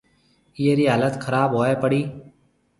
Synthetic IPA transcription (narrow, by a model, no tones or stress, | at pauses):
ɪeːɾiːɦaːlət̪kʰəɾaːbɦoːeːpəɽiː